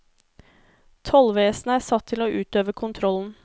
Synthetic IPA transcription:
t̪ʰɔlʋeːsn̩æːsɑt̪ʰːɪloːʔʉːt̪øːʋəkʰʊnt̪ʰɾɔln̩

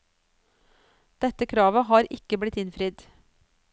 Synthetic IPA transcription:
d̪̥ɛt̪əkʰɾɑːʋəhɑːɾɪkəblɪt̪ɪnfɾɪd̪

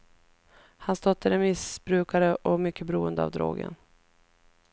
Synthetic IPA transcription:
hanst̪ɔt̪ʰːəɾɛnmɪsbɾʉ̟ːkaɾəʔɔmʏkʰːəbɛɾuːənd̪əa̰vd̪ɾo̰ːɡə̰n

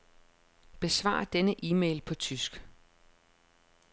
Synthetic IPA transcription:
b̥e̝sʋɑ̰̈ːɑɐd̥enəʔiːmeɪlpʰɒ̽t͡sʰysɡ̥

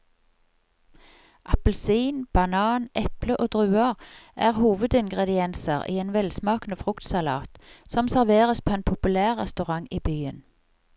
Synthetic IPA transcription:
ʔɑpəl̩siːnb̥ɑnɑːnʔɛpləʔoːd̪ʁʉːɑʁʔæːʁhuːʋəd̪ɪŋɡʁɛd̪ɪɛnsəʁʔḭːeːnʋɛlsmɑːkn̩əfʁʉkt̪sɑlɑ̰ːt̪sɔmsæʁʋeːʁəspʰoːeːnpʰʊpʉlæːʁːɛ̰st̪ʉʁɑŋiːbyːən

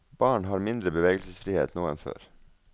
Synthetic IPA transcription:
b̥ɑːɳɦɑːɾmɪnd̪ɾəbəʋeːɡəlsəsfɾiːhḛːt̪noːɛnfø̰ːɾ

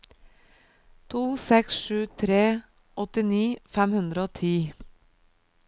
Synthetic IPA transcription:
t̪ʰuːsɛksʃʉːt̪ʰɾeː | ʔɔt̪ɪniːfæmhʉnd̪ɾəoːt̪ʰiː

